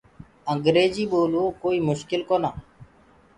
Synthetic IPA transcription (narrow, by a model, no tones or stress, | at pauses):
əŋɡɾeːd͡ʒiːɓoːluːkoːiːmʊʃkɪlkoːnaː